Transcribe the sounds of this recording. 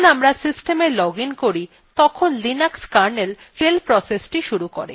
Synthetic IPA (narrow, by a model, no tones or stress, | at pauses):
namɾasisʈemeɾlɔɡinkoɾi | t̪ɔkʰonlinakskaɾnel | felpɾɔsesʈiʃuɾukoɾḛ